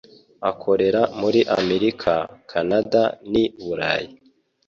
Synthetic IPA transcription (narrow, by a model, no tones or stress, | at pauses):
akʰo̞ɾe̞ɾamuɾiʔameɾikʰakʰanadaniβuɾa̰ji